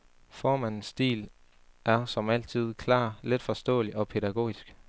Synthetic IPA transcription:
fɒːmæn̰n̩sd̥ḭːl | ʔæɐsɒ̽mæl̰t͡sʰið̞̰ˠkʰlɑ̰̈ːled̥fɒ̽sd̥ɔ̰̽ːliʔɒ̽pʰe̝ɾæɡ̥o̝̰ːisɡ̥

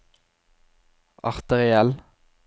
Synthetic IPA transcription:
ɑ̰ʁt̪əʁɪɛl

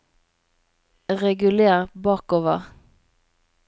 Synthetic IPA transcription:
ʁɛɡʉleːʁbɑːkoːʋəʁ

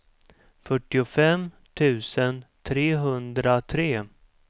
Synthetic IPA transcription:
fœʈːɪʊfɛm | t̪ʰʉ̟ːsənt̪ʰɾeːɦɵnd̪ɾat̪ʰɾeː

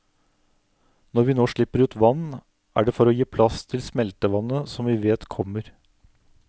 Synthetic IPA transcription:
nɔɾʋɪnoːʂɭɪpːəɾʉːt̪ʋɑnː | ʔæ̰ːɖɛfɔɾɔjiːpʰlɑst̪ʰɪlsmɛlt̪əʋɑnːəsɔmʋɪʋeːt̪kʰɔmːəɾ

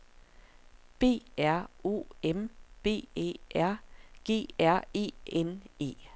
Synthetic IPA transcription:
b̥e̝̰ːæɐ̰o̝̰ːemb̥e̝̰ːḛːʔæɐ̰ɡ̥e̝̰ːæɐ̰e̝̰ːene̝̰ː

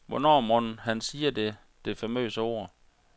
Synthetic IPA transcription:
ʋɒnɒ̰ːmɔnhænsiːɐde̝ | d̥e̝fæmø̰ːsəo̝̰ɐ̰

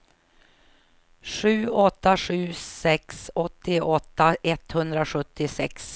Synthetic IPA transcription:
ʂʉ̟ːɔt̪ːaʂʉ̟ːsɛksɔt̪ːɪɔt̪ːaʔɛt̪hɵnd̪ɾaɧɵt̪ːɪsɛ̰ks

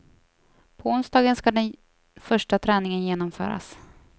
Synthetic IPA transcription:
pʰɔʊnsd̪ɑːɡənskad̪ɛn | fœʂʈat̪ʰɾɛːnɪŋənjeːnɔmfœ̰ːɾa̰s

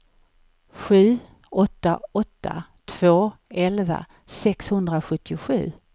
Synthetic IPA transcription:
ɧʉ̟ː | ɔt̪ːaɔt̪ːa̰t̪ʰv̥oːɛlva̰ | sɛkshɵnd̪ɾaɧɵt̪ʰːɪʊɧʉ̟ː

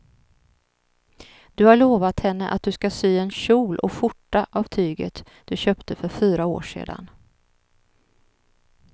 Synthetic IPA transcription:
d̪̥ɵhaɭoːvat̪hɛnːəʔa̰t̪̚d̪ɵskasyːɛnɕuːlʔɔ̰fʊʈːaʔavt̪ʰyːɡə̰t̪ | d̪̥ɵɕøːpt̪əfœɾfyːɾao̰ːʂḛːd̪a̰n

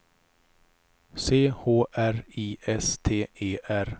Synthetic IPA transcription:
seːhoːʔæɾiːʔɛst̪ʰeːʔeːʔæɾ

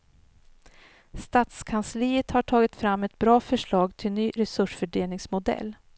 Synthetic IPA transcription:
st̪aːt̪skʰansliːət̪haʈʰɑːɡɪt̪fɾamːɛt̪̚bɾɑːfœʂɭɑːɡt̪ʰɪlnyːɾɛsɵʂfœɖeːlnɪŋsmʊd̪ɛ̰lː

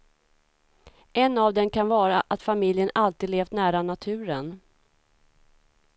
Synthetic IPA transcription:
ʔɛnːavd̪ɛnkʰanvɑːɾaʔat̪famɪljənalt̪iːd̪leːft̪næːɾanat̪ʰʉ̟ːɾən

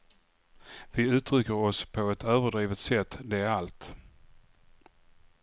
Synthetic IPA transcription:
vɪʉ̟ːt̪ɾʏkːəɾɔspʰɔɛt̪øːvəɖɾiːvət̪sɛt̪ːd̪ɛæɾalt̪

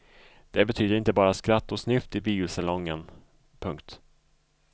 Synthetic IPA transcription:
d̪̥ɛbɛt̪ʰyːd̪əɾɪnt̪əbɑːɾaskɾat̪ːɔsnʏft̪ɪbiːʊsalɔŋːən | pʰɵŋkt̪

